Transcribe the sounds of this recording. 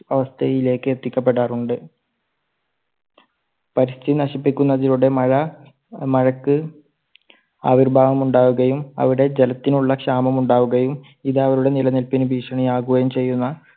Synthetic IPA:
ɐʋɐst̪ʰɐjile̞ːkːɨet̪ːikʲːɐp̬ːe̞ʈːaːruɳɖɨ | pɐɾist̪ʰinɐɕipːikʲːunːɐðiɾuɽe̞mɐɻɐ | mɐɻɐkːɨ | aːʋirbʱaːʋɐmuɳɖaːʋuɣɐjumɐ̰ʋiɽe̞d͡ʑelɐt̪ːinuɭːɐkʂaːmɐmuɳɖaːʋuɣɐjum | iðɨɐʋɐɾuɽe̞nilɐnilpinubʱiːʂɐɳɐjaːɣuɣɐjumt͡ɕe̞jːunːɐ

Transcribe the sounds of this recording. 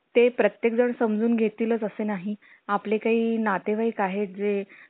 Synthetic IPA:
t̪epɾət̪jekd͡zəɳsəmd͡zuːnɡʱet̪iːləːt͡səsenaɦi | aplekaɦiːnat̪eʋaiːkaɦet̪̚d͡ze

